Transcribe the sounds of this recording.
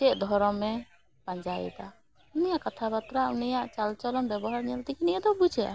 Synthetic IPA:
t͡ʃɛt̚d̪ʱɔɾɔmɛ | paɲd͡ʒaḭt̪a | unijaʔkat̪ʰapat̪ɾaunijaʔt͡ʃalt͡ʃɔlɔnbɛbɔɦaɾɲɛlt̪ɛkiniɛd̪ɔbud͡ʒɛa̰

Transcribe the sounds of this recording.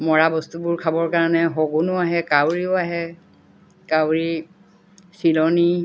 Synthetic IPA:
mɔɹabɔstubʊɹkʰabɔɹkaɹɔnɛɦɔɡunʊaɦɛkawɹiʊaɦɛ | kawɹi | silɔni

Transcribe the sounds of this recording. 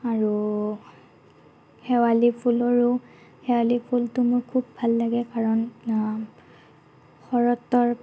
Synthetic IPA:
aɹu | xɛwalipʰulɔɹu | hɛwalipʰultʊmʊɹkʰubːʱalːaɡɛkaɹɔn | xɔɹɔtɔɹ

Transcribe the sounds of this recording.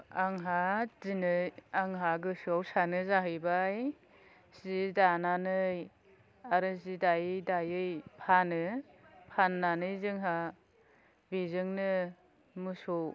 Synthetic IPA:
aŋɦazinɯaŋɦaɡɯsɔwsanɯzaɦɯjbaj | zidananɯj | aɾɯzidajɯjdajɯjpʰanɯpʰanːanɯjzɯŋɦa | bizɯŋnɯ | mɯsɔw

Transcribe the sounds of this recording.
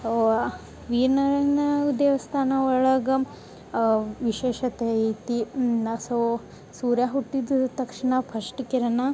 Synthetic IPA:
ʋiːɾnɐɾɐnɐud̪eːʋɐst̪ʰaːnɐɔɭɐɡɐ | ʋiʃeːʃɐt̪ɐit̪iɐso | suːɾjaːɦuʈːid̪t̪ɐkʂɐɳɐpʰɐʂʈkiɾɐna

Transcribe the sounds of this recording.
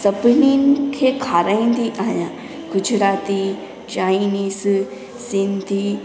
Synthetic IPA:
sɐbninkʰekʰaːɾaːĩnd̪iʔaːɦjã | ɡʊd͡ʒɾaːt̪i | t͡ʃaːiniːs | sɪnd̪ʱi

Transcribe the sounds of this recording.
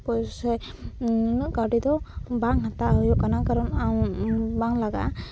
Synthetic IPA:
kɔjsɛ | kaʈid̪ɔbaŋhat̪aɦɔjɔkanakaɾɔnaw̃baŋlaɡa̰

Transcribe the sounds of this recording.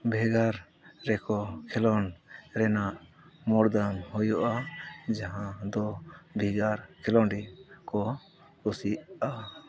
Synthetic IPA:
bʱɛɡaɾ | ɾɛkɔkʰɛlɔnɾɛnaʔ | mɔɾd̪anhɔjɔʔad͡ʒaɦãd̪ɔbʱɛɡaɾkʰɛlɔnɖikɔ | ɾusiʔa

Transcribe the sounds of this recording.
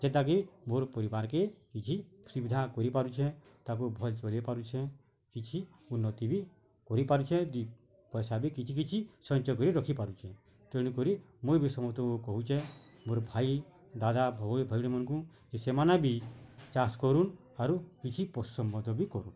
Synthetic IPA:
d͡ʒɛt̪ːak̬imoɾpɔɾibaɾkekit͡ʃʰisubid̪ʱakɔɾipaɾut͡ʃʰɛ | t̪ak̬ubʱɔlt͡ʃɔlepaɾut͡ʃʰe | kit͡ʃʰi | unːɔt̪ibi | kɔɾipaɾut͡ʃʰɛd̪i | pɔjsabikit͡ʃʰik̬it͡ʃʰisɔnt͡ʃɔkɔɾiɾɔkʰipaɾut͡ʃʰɛ | t̪ɔɽ̃ikɔɾimobisɔmɔt̪ɔokɔɦut͡ʃʰɛmoɾɔbʱai | d̪ad̪abʱbʱɔjɽemɔnkũ | kisemanabʱit͡ʃaskɔɾun | aɾukit͡ʃʰipɔu̥sɔmbɔd̪ʱɔbikɔɾun

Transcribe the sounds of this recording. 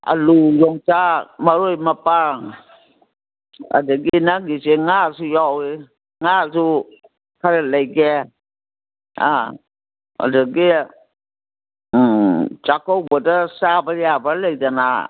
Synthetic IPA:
a̰lujɔŋt͡ʃamaɾojmapa | a̰daɡinaɡiseŋasujawi | ŋasu | kʰaɾɛlajɡe | a̰ | a̰daɡi | t͡ʃakɔwbadasabaɾiabalajdana̰

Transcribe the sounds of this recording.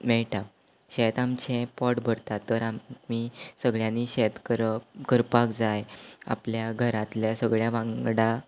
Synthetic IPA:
mɛɭʈa | ɕɛt̪amt͡ɕɛ̃pɔʈbʱəɾt̪at̪ːəɾamisəɡɭjãnːiɕɛt̪kəɾkəɾpakd͡zaja̰pljaɡʱəɾãt̪ljasəɡɭjaʋãŋɡɽa

